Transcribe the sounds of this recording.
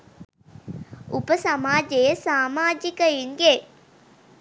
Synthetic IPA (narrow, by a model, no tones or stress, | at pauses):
upəsamaːd͡ʒejəsaːmaːd͡ʒikəjiŋɡe